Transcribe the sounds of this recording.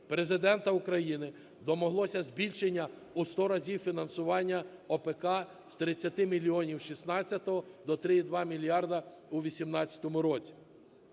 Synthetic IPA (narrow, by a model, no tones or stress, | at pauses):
pɾe̞zɪd̪ɛnt̪ɐʊkɾɐjinɪ | d̪ɔmɔɦlˠɔsʲɐzʲbʲilʲʃenʲːɐ | ust̪ɔɾɐzʲiwfʲinɐnsʊʋɑnʲːɐɔpekɑ | st̪ɾɪt͡sʲːɐt̪ɪmʲilʲiɔnʲiwʃisnɑt͡sʲːɐt̪ɔɦɔd̪ɔt̪ɾɪid̪ʋɑmʲilʲjɑrd̪ɐ | uʋʲisʲimnɑt͡sʲɐ̥t̪ɔmʊɾɔt͡sʲi̥